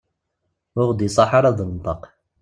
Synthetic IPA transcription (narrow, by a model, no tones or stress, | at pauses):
ʊʁd̪isˤɑħɑɾˤɑðˤənt̪ˤɑq